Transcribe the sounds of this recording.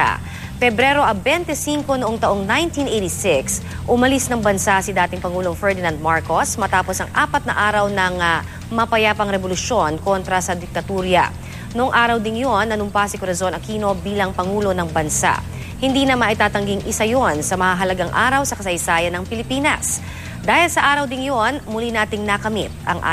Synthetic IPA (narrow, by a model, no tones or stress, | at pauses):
fɛbɾɛɾo̞ʔɐbɛnt̪ɛsiŋko̞noʔoŋt̪ɐʔo̞ŋnajnt̪inʔejt̪isɪks | ʔʊmɐlisnɐŋbɐnsasid̪aːt̪ɪŋpɐŋuːloŋfɛɹd̪ɪnand̪̚maɹko̞smɐt̪aːposɐŋʔaːpɐt̪̚nɐ̰ʔaːɾɐwnɐŋ | mɐpɐjapɐŋɾɛbolʊʃo̞nko̞nt̪ɾɐsɐd̪ɪk̚t̪ɐt̪uːɾjɐ̰ | noʔoŋʔaːɾɐwd̪ɪŋjonːɐnʊmpasɪkoɾɐzonɐŋkiːno̞biːlɐŋpɐŋuːlo̞nɐŋbɐnsa̰ʔ | hɪnd̪iːnɐmaʔɪt̪aːt̪ɐŋɡiŋʔɪsɐjonsɐmɐhaɦɐlɐɡaŋʔa̰ːɾɐwsɐkɐsɐjsaːjɐnːɐŋpɪlɪpiːnɐ̰s | d̪aːhɪlsɐʔaːɾɐwd̪ɪŋjonmʊlinaːt̪ɪŋnɐkɐmit̪̚ɐ̰ŋʔa̰